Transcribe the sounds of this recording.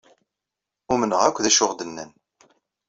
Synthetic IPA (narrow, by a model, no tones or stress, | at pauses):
ʊmənəʁækʷːðæʃʊʁd̪ənːən